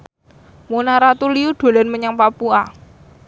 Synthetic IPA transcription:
munaɾat̪uliuɖ̪̥o̤lɛnməɲaŋpapua

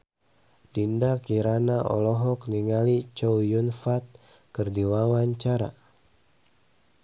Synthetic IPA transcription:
d̥indakiɾanaʔɔ̰lɔɦɔkniŋalit͡ʃɔwjunfat̪̚ | kərdiwawaɲt͡ʃaɾa̰

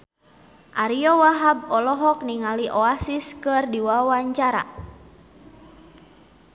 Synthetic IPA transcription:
ʔaɾiɔwaɦab̚ɔlɔɦɔk̚niŋaliʔɔasiskɨrdiwawaɲt͡ʃaɾa̰

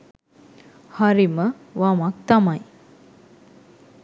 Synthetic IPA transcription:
haɾimə | ʋamak̚t̪amaj

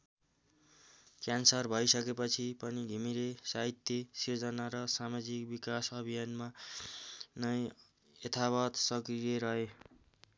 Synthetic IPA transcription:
kjansʌrbʱʌjsʌkepʌt͡sʰipʌnidʱimiɾesaɦit̪jesird͡zʌnaɾʌsamad͡zikbikasʌbʱijanma | nʌj | et̪ʰaβʌt̪sʌkrijeɾʌɦe

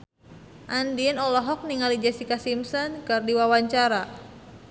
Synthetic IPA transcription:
ʔandinɔlɔɦɔk̚niŋalid͡ʒasikasimsɔnkərdiwawaɲt͡ʃaɾa

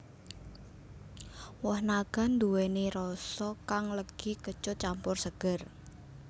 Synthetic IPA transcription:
wɔhnaɡ̥a̤nd̪uwɛneɾɔsɔkaŋləɡ̥ikət͡ʃʊt̪̚t͡ʃampʊrsəɡ̥ər

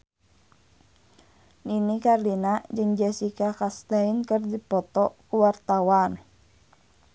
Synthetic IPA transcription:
ninikarlinad͡ʒɨŋd͡ʒɛsikakast̪ainkərdipɔt̪ɔkuwart̪awan

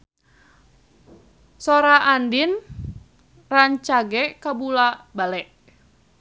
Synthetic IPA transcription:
sɔɾaʔandin | raɲt͡ʃaɡɛkabulabalɛʔ

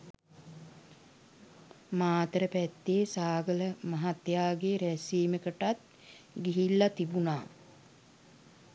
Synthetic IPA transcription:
maːt̪ɾəpæt̪ːeːsaːɡələmaɦat̪jaːɡeɾæsiːməkəʈat̪̚ | ɡiɦilːat̪ibunaː

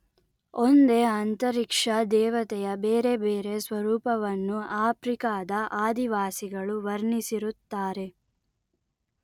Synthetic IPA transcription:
ond̪e̞ɐnt̪ɐɾikʂɐd̪ɛːʋɐt̪ɛjɐbeːɾe̞beːɾe̞sʋɐɾuːpɐʋɐnːuaːpɾikaːd̪ɐʔaːd̪iʋaːsiɡɐɭuʋɐɾɳisiɾut̪ːaːɾe̞

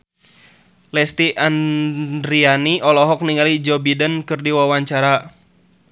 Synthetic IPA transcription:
lɛst̪iʔandɾianiʔɔlɔɦɔk̚niŋalid͡ʒɔbidənkɨrdiwawaɲt͡ʃaɾa

